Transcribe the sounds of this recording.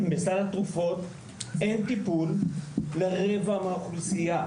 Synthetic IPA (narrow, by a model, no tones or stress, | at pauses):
mesalhat̪ʁufo̞t | ent̪ipulleʁevamaːχusija